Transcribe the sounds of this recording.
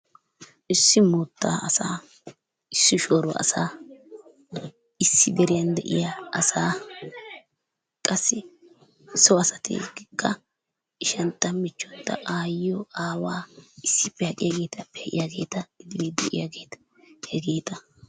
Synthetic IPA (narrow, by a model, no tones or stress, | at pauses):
ʔɪsːɪmʊt̪ːa̰ːʔɐsaː | ɪsːɪʃoːɾʊwɐ̰ʔɐ̰saː | ɪsːɪd̪ɛɾɪjɐnd̪ɛʔɪ̰jaʔɐsaː | kʼɐsːɪ | sɔɐsɐt̪ʰɪ̰ɡɪkʼːɐ | ɪʃɐnt̪ːɐmɪt͡ʃːɔt̪ːɐ̰ʔaːjɪjɔaːwaːɪsːɪpːɛhɐkʼɪjaɡe̞ːt̪ɐpːɛ̥hɛʔʼɪ̰jaɡe̞̰ːt̪ɐɪd̪ɪwid̪ɛʔɪ̰jaɡe̞ːt̪ɐ̥ | hɛɡe̞ːt̪ɐ